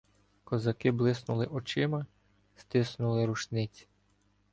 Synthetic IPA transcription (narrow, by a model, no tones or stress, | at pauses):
kɔzɐkɪblˠɪsnʊlˠɪʔɔt͡ʃɪmɐ | st̪ɪsnʊlˠɪɾuʃnɪt͡sʲi̥